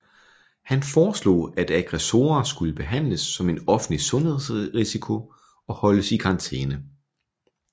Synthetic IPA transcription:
hænfɒːslo̝̰ːæd̥æɡ̥ʁɛso̝̰ːɐsɡ̥uləb̥e̝ɦæn̰ləsːɒ̽me̝dɒ̽fn̩lisɔ̽nhe̝ð̰ˠsʁisikʰo̝ | ɒ̽hɒ̽ləsikʰɑ̈ɑ̈nt͡sʰḛːnə

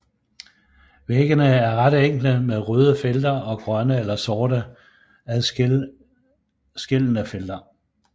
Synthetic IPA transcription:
ʋeɡ̥ənəæɐʁɑd̥eŋ̰ɡ̥l̩əmeðˠʁøːð̞ˠəfeld̥ɐɒ̽ɡ̥ʁɶnəelɐsɒːɾə | æð | sɡ̥e̝l̰nəfeld̥ɐ

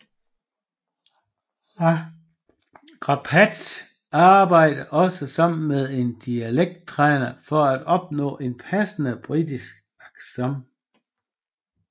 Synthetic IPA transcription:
ʁɑpʰæd̥ | ɑ̈ːb̥ɑ̈ɪ̰d̥ɐʔɒ̽səsɑ̈m̰n̩með̞ˠe̝nd̥iæleɡ̥̚d̥̚t͡sʰʁɛːnɐfɒ̽æd̥ɒ̽b̥nɔ̰̽ːʔe̝npʰæsənəb̥ʁidisɡ̥ | ɑɡ̥sɒm

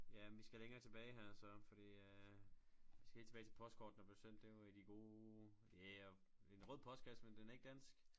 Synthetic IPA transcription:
jæʋisɡ̥æleŋɐːt͡sʰe̝b̥ɛːɪɦæɐ̰sɒ̽fɒ̽d̥ḭː | ʋisɡ̥he̝̰lt͡sʰe̥bɛːɪt͡sʰe̝pʰɒ̽sd̥̚kʰɒːd̥n̩ɒb̥esen̰d̥eæd̥iɡ̥o̝ː | jæɒ | e̝nʁɔð̰ˠpʰɒ̽sd̥̚ɡ̥æsmend̥enæɐe̝ɡ̥̚d̥æn̰sɡ̥

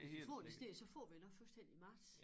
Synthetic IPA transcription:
fɒ̰d̥isd̥e̝̰ːsɒ̽fɒ̰ːʋinɒ̥̽fulsd̥en̰̥iimɑ̈ːd̥s

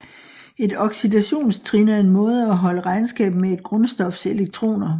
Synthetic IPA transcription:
e̝d̥ɒ̽ɡ̥sid̥æɕo̝̰ːnst͡sʰʁinɐe̝nmɔ̽ːð̞̩ˠæɦɒ̽ləʁɑ̈ɪnsɡ̥ɛ̰ːb̥mee̝d̥̚ɡ̥ʁɔ̽nsd̥ɒ̽fse̝leɡ̥̚t͡sʰʁo̝̰ːnɐ

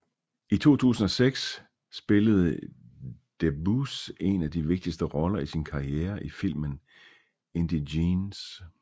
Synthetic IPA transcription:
it͡sʰo̝̰ːt͡sʰṵːsn̩ɒ̽seɡ̥sː | b̥e̝ləð̞̩ˠ | d̥ebuse̝næd̥iʋe̝ɡ̥̚d̥isd̥əʁɒ̽lɐisinkʰɑ̈ieːɐʔifil̰mən | e̝nd̥iins

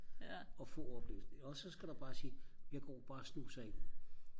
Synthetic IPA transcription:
ɒ̽fɔ̽ɒb̥le̝̰ʊsd̥eɒ̽sɒ̽sɡ̥æɾ̥ɑ̈b̥ɑ̈ːsiːjäɡ̥ɒ̰ːb̥ɑ̈ːsnṵːsɐen

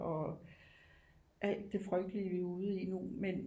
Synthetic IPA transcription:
ɒ̽ | ʔæl̰d̥ːe̝fʁœɡ̥d̥əliəʋiuðˠinumen

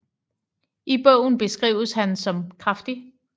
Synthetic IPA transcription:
ʔib̥ɔʊ̰n̩b̥e̝sɡ̥ʁḭːʊshænsɒ̽mkʰʁɑfd̥i

